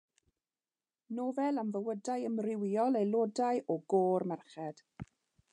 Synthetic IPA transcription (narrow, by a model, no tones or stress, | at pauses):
noːvɛlˠamvəwədajəmrɪwiɔlˠejlˠodajʔɔɡoːrmɛrχɛd̥